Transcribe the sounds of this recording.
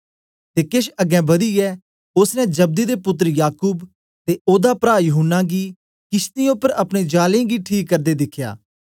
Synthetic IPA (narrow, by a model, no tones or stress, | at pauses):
t̪eːkeʃɐɡɛ̃ːbɐd̪iːɛː | ʊsnɛ̃d͡ʒəb̚d̪iːd̪epʊt̪̬ːɾəjaːkuːb | t̪eoːd̪apɾaːjʊɦənːaːɡiː | kɪst̪ijõpəɾɐpneːd͡ʒaːlẽːɡiʈʰiːkːəɾd̪eːd̪ɪkʰːja̰ː